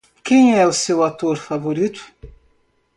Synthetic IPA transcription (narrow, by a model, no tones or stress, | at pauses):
kẽj̃ɛʊsewat̪oɾfavoɾit̪ʊ̥